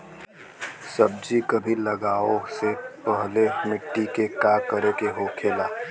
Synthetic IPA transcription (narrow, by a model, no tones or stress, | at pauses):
sɐb̚d͡ʒikɐbʱilɐɡaːosepəɦlemɪʈːikekaːkəɾekeɦoːkʰeːlaː